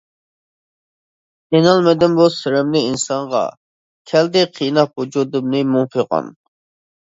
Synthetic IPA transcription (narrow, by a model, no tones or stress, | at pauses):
enɑlˠmɪd̪ɪnbusɪɾɛmnɪinsɑɴʁɑ̰ | kʲʰɛld̪ɪqʰijnɑpud͡ʒud̪ɨmnɨmumfɨqɑ̰n